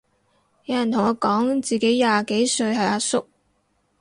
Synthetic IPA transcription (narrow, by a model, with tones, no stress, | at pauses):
jɐ˨˧jɐ˨nt̪ʰʊ˨˩ŋɔː˧kɔː˨˥ŋt͡siː˨ke˨˥jːaː˨ke˨˥jsɵ˧ɥhɐ˨jaː˧sʊ˥k̚